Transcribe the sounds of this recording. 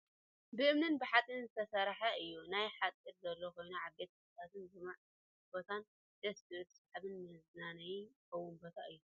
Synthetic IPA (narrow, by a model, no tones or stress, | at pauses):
bɨʔɨmnɨnbɨħat̪ʼɨnzɨt̪ʰɐsɐɾħaɨjːunajħat̪ʼiɾzɐlːoko̞jnuʕabe̞t̪st̪ʰat̪ʰɨnzɨmaʕ | bot̪ʰan | d̪̥ɐstɨɨt̪saħaβɨnmɐznanajkɐwunbot̪ʰaʔɨjːu